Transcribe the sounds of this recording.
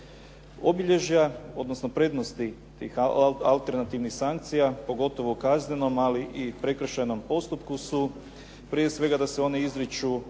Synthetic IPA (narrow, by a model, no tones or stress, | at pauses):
o̞biʎe̞ʒjao̞d̪nosno̞pɾe̞d̪no̞st̪i | t̪iːxalˠt̪e̞ɾnat̪iʋnixsaŋk̚t̪sijapo̞ɡo̞t̪o̞ʋoukazɲeno̞maliʔipɾe̞kr̩ʃajno̞mpo̞st̪upkusu | pɾije̞sʋe̞ɡad̪aseo̞neizɾit͡ʃu